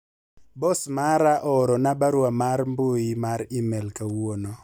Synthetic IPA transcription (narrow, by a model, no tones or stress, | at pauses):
bɔsmaɾaʔɔɾɔnabaɾwamaɾmbojimaɾɪmɛlkawwonɔ